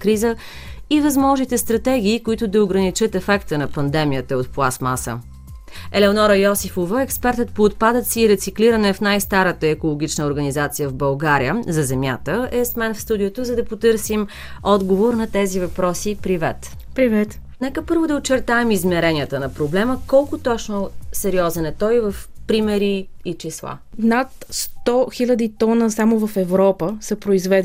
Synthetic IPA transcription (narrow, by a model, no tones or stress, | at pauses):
kɾizə | ivɐzmɔʒnit̪ɛst̪ɾɐt̪ɛɡ̟ʲiːkoit̪ʊd̪ɐʊɡɾɐnit͡ʃɤt̪ɛfɛkt̪ənɐpɐnd̪ɛmijət̪əot̪̚plˠasma̰sə̰ | ɛlɛonɔɾəjɔsifovəɛkspɛɾt̪ət̪̚poːt̪̚pad̪ət̪siːɾɛt̪sikliɾənɛfnajst̪aɾət̪əɛkolˠoɡ̟it͡ʃnəoɾɡənizat̪sijəvbɐlˠɡaɾiəzɐzɛmja̰t̪əɛsmɛnfst̪ud̪ijot̪ozɐd̪ɐpot̪ɤɾsim | ɔd̪ɡovoɾnɐt̪ɛzivɐpɾɔsipɾivɛ̰t̪pɾivɛt̪ | nɛkəpɤɾvod̪ɐot͡ʃːɛɾt̪aɛmizmɛɾɛniət̪ənɐpɾoblɛməkɔlˠkʊt̪ɔt͡ʃnosɛɾiɔzɛnɛt̪ɔjvəfpɾimɛɾiit͡ʃislˠa̰nat̪st̪ɔxilʲəd̪it̪ɔnəsamovɐfɛvɾɔpəsəpɾoizvɛd̪